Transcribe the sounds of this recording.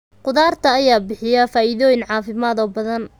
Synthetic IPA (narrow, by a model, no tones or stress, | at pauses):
qʊðaːrt̪ʰɐːjaːbɪħɪjɐfaːʔɪðɔːjɪnʕɑːfɪmaːðɔːbɐðɐn